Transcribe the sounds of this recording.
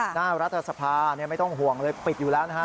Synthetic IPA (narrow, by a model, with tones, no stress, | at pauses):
naː˥˩ɾa˦˥t̪ʰːa˧sa˧pʰaː˧˨˩ni˥˩ma˥˩jt̪ɔ˥˩ŋɦu˨˩əŋlɤː˧jpi˨˩t̪̚juː˨˩lɛː˦˥na˧ɦa˦˥˩